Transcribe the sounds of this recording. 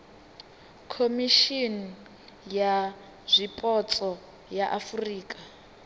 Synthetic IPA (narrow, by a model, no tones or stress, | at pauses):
kʰomiʃin | ja | zʷipʼɔt͡sʼɔ | jaʔafuriːkʼa